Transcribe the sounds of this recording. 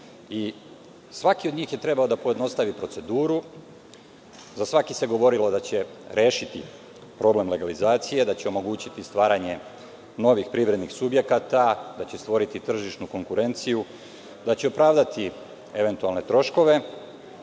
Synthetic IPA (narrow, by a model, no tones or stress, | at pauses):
i | sʋakiod̪ɲiːxje̞t̪ɾe̞baod̪apoje̞d̪no̞st̪aʋipɾo̞t̪se̞d̪uːɾu | zasʋakise̞ɡo̞ʋo̞ɾilo̞d̪at͡ɕe̞ɾeːʃit̪i | pɾo̞ble̞mle̞ɡalizaːt̪sije̞d̪at͡ɕeo̞mo̞ɡuːt͡ɕit̪ist̪ʋaːɾaɲe̞ | no̞ʋixpɾiʋɾe̞d̪nixsubje̞kat̪ad̪at͡ɕest̪ʋo̞ɾit̪it̪r̩ʒiʃnuko̞ŋkuɾe̞nt̪siju | d̪at͡ɕe̞opɾaːʋd̪at̪i | e̞ʋe̞nt̪ualne̞t̪ɾo̞ʃko̞ʋe̞